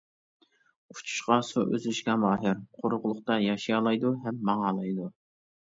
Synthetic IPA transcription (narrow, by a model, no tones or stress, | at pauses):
u̥t͡ʃʰu̥ʃqɑsuʔø̰zlɪʃkʲɑmɑːɦɪɾqʰoɾʊʁʊlˠʊχt̪ɑjɑʃijɑlˠɑjd̪uɦɛmːɑŋɑːlˠɑjd̪u